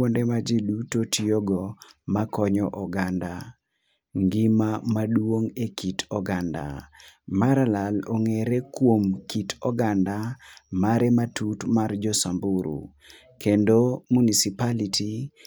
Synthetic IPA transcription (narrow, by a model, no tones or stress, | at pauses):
ondemad͡ʒidutotʰioɡɔmakɔɲɔʔɔɡanda | ŋɡimamaɗwoŋekʰitɔɡanda̰maɾalaloŋeɾekwomkitʰɔɡandamaɾematʰutmard͡ʒɔsambuɾṵ | kendomunisipalitʰi